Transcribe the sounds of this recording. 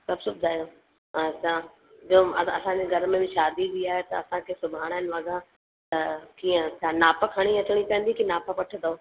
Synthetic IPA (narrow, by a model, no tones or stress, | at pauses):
sɐbsʊb̚ʱd̪aːjõː | ãsã | d͡ʑoːɐɐsãɲd͡ʑeɡʱɐɾmẽbĩʃaːd̪iʋiaːɦet̪ɐːsãkʰeːsʊbʱaːɽ̃əɪnɪ̆ʋɐɡã | t̪ɐkiːə̃t͡ɕaːnaːpkʰaːɽ̃iɐtʰəɽ̃ipɐ̃ə̃nd̪ikinaːpəpɐʈʰə̃nd̪aoː